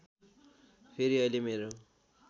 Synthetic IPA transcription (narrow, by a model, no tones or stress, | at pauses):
pʰeɾiʌjlemeɾo